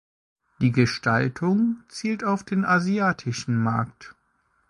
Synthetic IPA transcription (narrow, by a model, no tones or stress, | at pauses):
d̥iːɡəʃtaltʰʊŋt͡siːltaʊfd̥eːnʔaziaːtʰɪʃn̩maɐkt